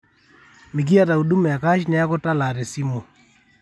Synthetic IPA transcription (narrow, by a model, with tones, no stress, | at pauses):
mi˨k̬i˦a˦˨ta˨u˨ɗu˦mɛ˨ka˦ʃnɛ˦a˦ko˦ta˦la˨ɾe˨si˦mo˨